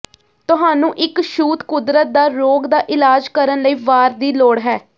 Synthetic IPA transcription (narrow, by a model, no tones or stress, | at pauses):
t̪ʊɦaːnũːʔɪkʃuːt̪kʊd̪ɾət̪̚d̪aːɾoːɡd̪aːʔɪlaːd͡ʒkəɾənləiːʋaːɾd̪iːloːɽɦɛː